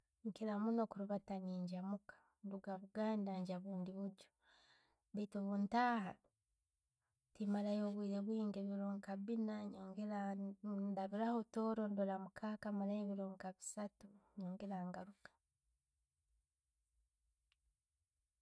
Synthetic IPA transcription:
ŋkelamuno̞kuɾuβataɲiːɲɟamukḁ | nduɡaβuɡaːndaɲɟaβuːndiβuɟo̥ | βetoβuːntaɦa̰ | timalajoβwiːɾeβwiːŋɡeβiɾoːŋkaβinaɲoːŋɡeɾa | daβiɾahotoːɾondolamukʰaːkamalajeβiɾoːŋkaβisatuɲoːŋɡeɾaːŋɡaɾukḁ

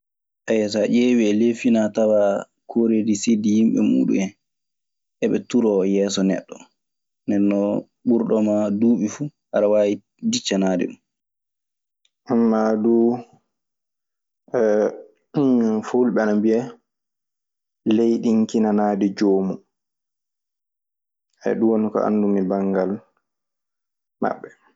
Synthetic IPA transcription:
ʔɛjɛs̬aʔeːwiɛlefinatawa | kʰoɾedisedihimɓɛ̰mṵːɗṵmɛn | ʔɛɓɛtuɾɔjɛːsɔnɛ̰ɗːɔ | nɛnːɔ | ɓuɾɗɔmaduːɓifuhaɾawaːji | dit͡ʃːanaːdɛ̰ɗum | ʔamːaduː | ɛ | folɓɛanabiɛ | lejɗiŋkinanaːdid͡ʒoːmu | ɛ̰ɗuwonukɔ̰a̰nːdumibaŋɡal | ma̰ɓːɛ

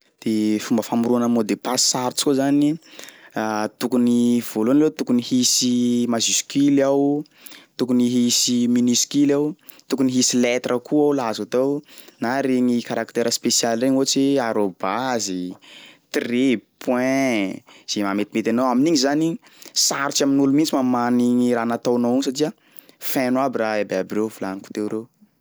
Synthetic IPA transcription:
d̪̥efumbəfamuɾuanəmod̪epasːaɾt͡ʃi̥kuzani | at̪ukuniv̥olunlewt̪ukunihisimaziskilaw | t̪ukuniɦisiminiskilaw | t̪ukuniɦisilet̪rʔəkʰuawlazat̪ownaɾeŋikaɾakt̪eɾəspesjalreɲot͡siaɾobazit̪ripʰwɛ̃ | z̥emamet̪imet̪anowaminiɲizanisaɾit͡ʃaminulumint͡simamaniŋiɾaːnat̪anowinsatiə | fɛ̃nwabiɾaebeabirewfulaniku̥t̪ewɾew

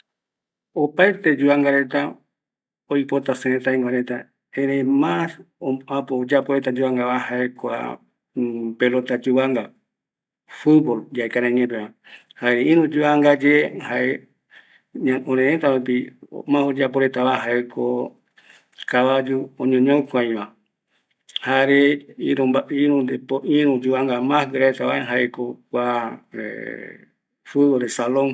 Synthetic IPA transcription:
opaet̪e̞d͡ʒuaŋɡaɾe̞t̪a | ojpot̪aseẽt̪aĩŋɡʷaɾet̪a | ẽɾejmãsoãpod͡ʒapoɾe̞t̪ad͡ʒuβaŋɡaβahaʔekʷa̰ | pelot̪ad͡ʒuβaŋɡa | fubold͡ʒaekaɾãɲẽp̬eβã | haeɾeĩɾũd͡ʒuaŋɡad͡ʒehaʔe | aõɾẽẽt̪aɾup̬io̰mãhod͡ʒap̬oɾet̪aβaɦaekʰo | kaʋad͡ʒuõɲõɲõukʷãj̃βã | haeɾeiɾaiɾũnd̪epoʔĩɾũd͡ʒuβaŋɡamãhɾaet̪aβaeɦaekokʷaḛ | fubolesalõŋ

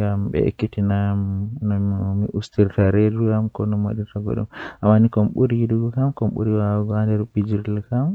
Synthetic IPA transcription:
ɡambɛ̰kːitinamnɔmmḭʔustiɾtaɾedukamkɔnɔma̰ɗiɾtaɡɔ̰ɗṵmʔamːanikɔmɓuɾiduɡɔkamkɔmɓṵɾiwaɡɔandɛɾbid͡ʒiɾlkam

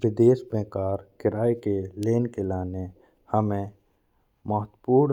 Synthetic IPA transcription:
ʋɪd̪eːsbẽkaːɾkɪɾaːekeleːnkelaːne | həmẽ | məɦət̪puːɽ

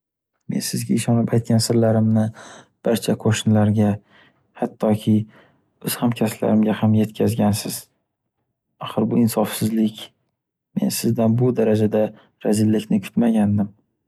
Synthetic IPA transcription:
me̞̰nsɪzɡʲaɪʃɒnɪpʰajt̪̚kʲansɪɾlaɾɪmnɪ | b̥aɾt͡ʃʰakʰoʃnlaɾɡʲa | hat̪ʰːɒkʲʰɪ | ɵz̥hamkʲʰasla̰ɾɪmɡʲahamje̞t̪̚kʲʰazɡʲansɪz̥ | aχɨɾbʊɪnsɒfsɪzlɪkʲ | me̞̰nsɪzd̪anbʊd̪aɾad͡ʒad̪a | ɾazɪlːɪkʲnɪkʲʰʊ̥t̪maɡʲand̪ɪm

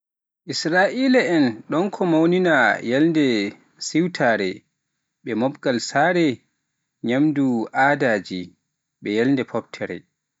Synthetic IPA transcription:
ʔisɾaːʔiːlaɛnɗɔnkʰɔmawninajalndɛ | siwtʰaːɾɛ̰ | ɓɛmɔbɡalsaːɾɛ | ɲamduʔadaːd͡ʒi | ɓɛjalndɛpʰɔbtʰɛɾɛ̰

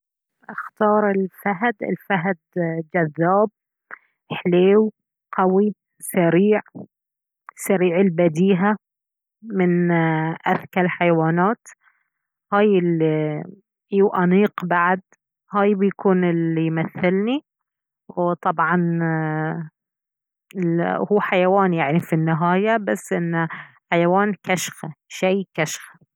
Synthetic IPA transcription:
ʔaxt̪ɑːɾˤɪlfaɦd̪ɪ̰lfaɦd̪d͡ʒaðːaːb̚ | ħleːw | qɑwi | saɾiːʕ | saɾiːʕɪlbad̪iːɦa | mɪnʔaθkalħajwaːnaːt̪ | haːjɪli | ʔiwʔaniːqbaʕd̪ | haːjbɪjkʰuːnɪlijmaθːɪlni | wwt̪ˤɑbʕɑn | ɪhuːħajawaːnjaʕnifinːɪɦaːjabasːʔɪnːħajawaːnkaʃxaʃajkaʃxḁ

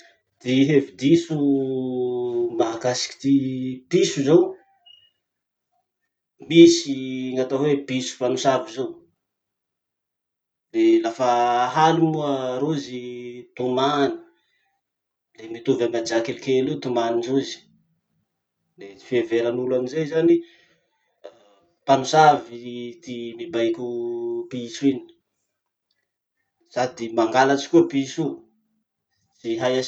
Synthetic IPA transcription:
d̪̥iɦevid̪isu | maakasi̥ki̥t̪ipisuzow | misiŋat̪aɦwepisu̥fanusavizow | lelafaɦalimuaɾozit̪umani̥ | lemit̪uvamad͡ʒakelikelut̪umaninzuzi̥ | lefeveɾanulamizejzani | panusavit̪imibajkʲupisuini̥ | sad̪imaŋɡalat͡ʃi̥kʲuəpiisu | siɦaja

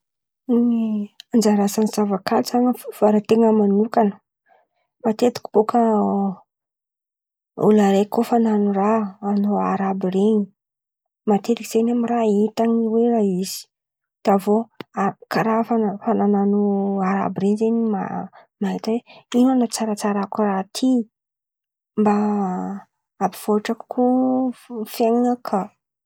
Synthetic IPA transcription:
niand͡ʒaɾasanizavakazaŋəv̥aɾat̪eŋəmanukanə̥ | mat̪et̪i̥kʲi̥b̥okʰə | ṵlaɾekofananuraːnoaɾabireɲi | mat̪et̪iki̥z̥eɲamirait̪aŋiweraiz̥i̥ | d̪̥avoakaɾafanfanananuaɾa̰biɾeɲzeɲima̰ | maɦit̪aweinanat͡saɾat͡saɾakurat̪ʰi | mba | abiv̥oaʈ͡ʂakkʰu | feŋnakʰa

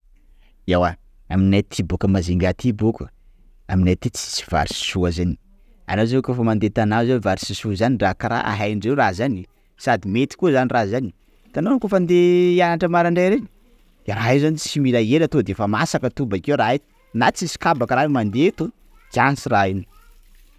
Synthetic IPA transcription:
awa | aminat̪ʰibokəmaziŋɡat̪ʰibukə | aminajt̪it͡si̥t͡si̥va̰ɾisi̥suazani̥ | a̰nazekofəmand̪et̪anazevaɾisisuzaniɳɖ͡ʐakaɾa̰ʔa̰ɦajɳɖ͡ʐewrazani | sad̪imet̪i̥kuəzanirazani | t̪anonkofand̪eanaʈ͡ʂəmaɾaɳɖ͡ʐajɾeni̥ | aɾaɦezanit͡similaelat̪od̪efamasakət̪ubakewɾae̥ | nat͡sisi̥kabakəɾaemand̪et̪o | t͡siansiraini

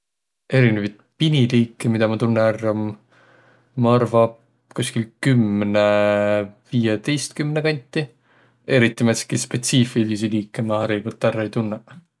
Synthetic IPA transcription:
e̞ɾinevɑjt̪̚piniliːkːemid̪̥ɑmɑt̪unːeærːɑm | mɑɑrvɑb | kusʲkilkymne | viːjet̪e̞jst̪kymnekɑnʲt̪ːˑi | e̞ɾit̪ˑːimæt̪skispe̞t̪siːfilisiliːkːemɑæɾiɡolt̪ːˑærːɑejt̪unːe

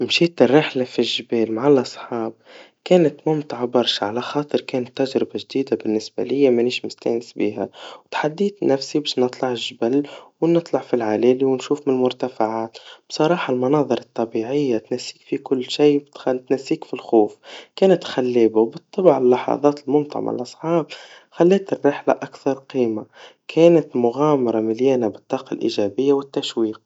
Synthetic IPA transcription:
mʃiːt̪rːɪħlafilʒbeːlmaʕalʔɑsˤħɑːb̚ | keːnɪt̪mʊmt̪ʕabɑɾˤʃʕa̰laxɑːt̪ˤɨɾˤkeːnɪt̪ːaʒɾɪbaʒd̪iːd̪abɪnːɪsba̰lɪjːamaniːʃmʊst̪æ̰ːnɪsbiːɦawt̪ħad̪ːiːt̪næfsibeːʃnɨt̪ˤlɑʕɪʒbalːwnɨt̪ˤlɑʕfilʕaleːliwɪnʃuːfmɪnmʊɾt̪afaʕaːt̪b̥sˤɑɾˤɑːħɑlmɑnɑːðˤɨɾˤɑt̪ˤːɑbiʕɪjːat̪næsːiːkfikʊlːʃijt̪t̪næsːiːkfilxuːfkæːnæt̪xælːeːbawbɨt̪ˤːɑbʕɪlːɑħɑ̰ðˤɑːt̪ɪlmʊnt̪ˤɑ̰ʕ̰ma̰lʔɑsˤħɑːb̚ | xælːɛːt̪ɪrːɪħla̰ʔækθɑɾˤqiːmakʰæːnat̪mʊɣæːmɑɾˤɑmɪljæːnabɪt̪ˤːɑːqɑlʔḭʒæbɪjːawɪt̪ːæʃwiːq̚

